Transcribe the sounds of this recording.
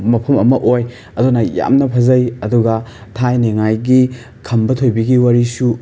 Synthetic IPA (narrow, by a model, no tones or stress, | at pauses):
mɐpʰɐmɐmɐʔoj | ɐdunɐja̰mnɐpʰɐzɐjɐduɡɐtʰajneŋajɡi | kʰɐmbɐtʰojbiɡiwɐɾisu